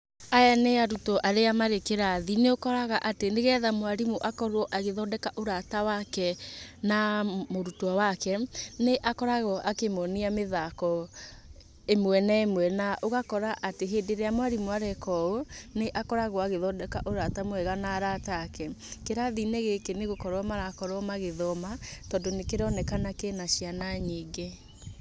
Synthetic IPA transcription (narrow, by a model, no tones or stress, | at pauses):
ajaneaɾutɔʔaɾeamaɾekeɾaðineokɔɾaɣaʔateneɣɛðamwaɾimuʔakɔɾwɔʔaɣeðɔdɛkaʔoɾatawakɛnamoɾutwawakɛneʔakɔɾaɣɔʔakemɔniameðakɔ | emwɛnɛmwɛnaʔoɣakɔɾaʔateɦeːdeɾeamwaɾimwaɾɛkɔoneʔakɔɾaɣɔaɣeðɔdɛkaʔoɾatamwɛɣanaɾatakɛkeɾaðineɣekeneɣokɔɾɔmaɾakɔɾɔmaɣeðɔmatɔndonekeɾɔnɛkanakenaʃijanaɲiɡe